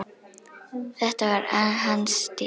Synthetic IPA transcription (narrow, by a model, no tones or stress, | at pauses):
d̪̥ɛt̪ːaæɾanɦanst̪ɪ